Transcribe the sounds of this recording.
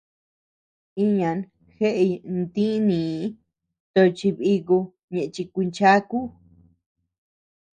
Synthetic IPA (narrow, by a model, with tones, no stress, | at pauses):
i˧ɲã˨˧n | xe˦ʔe˧nd̪ĩ˦nĩː˨˦ | t̪o˧t͡ʃi˧βi˧ku˧ | ɲẽ˧ʔt͡ʃi˧kʷi˧nt͡ʃa˦ku˦